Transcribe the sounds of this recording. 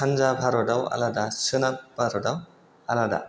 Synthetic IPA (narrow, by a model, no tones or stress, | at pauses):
anzabʱaɾɔdawa̰ladasɯnat̚b̥ʱaɾɔdaw | alada̰